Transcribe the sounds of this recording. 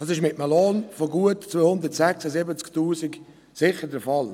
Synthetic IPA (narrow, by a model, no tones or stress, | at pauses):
d̥ɑsɪʃmɪtəməloːnfoɡuətt͡sʋoːhʊnd̪ətsɛksəzɪbət͡sktuːsik | sɪχədəfɑl